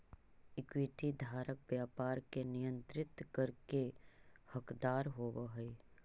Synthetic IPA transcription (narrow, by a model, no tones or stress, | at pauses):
ɪkwɪʈid̪ʱaːɾək̚bjaːpaːɾkenɪjə̃nt̪ɾɪt̪kəɾkehəkd̪aːɾɦoːbəɦəi